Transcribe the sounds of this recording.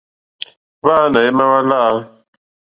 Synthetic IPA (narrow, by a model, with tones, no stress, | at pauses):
βa˦na˨e˦ma˦wa˦la˦